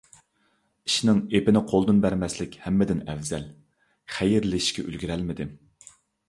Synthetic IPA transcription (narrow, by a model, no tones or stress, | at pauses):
i̥ʃnɪŋepɪnɪqʰolˠd̪unbæɾmɛslɪkʲhɛmːɪd̪ɪnɛvzɛl | χæjɪɾlɪʃkʲʰɛʔy̰lɡʲiɾɛlmɪd̪ɪ